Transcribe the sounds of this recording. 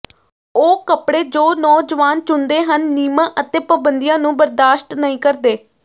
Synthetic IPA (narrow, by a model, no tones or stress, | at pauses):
oːkəpɽeːd͡ʒoːnɔːd͡ʒəʋaːnt͡ʃʊnd̪eːɦənːiːmãːʔət̪eːpəbənd̪ijãːnũːbəɾd̪aːʃʈnəĩːkəɾd̪eː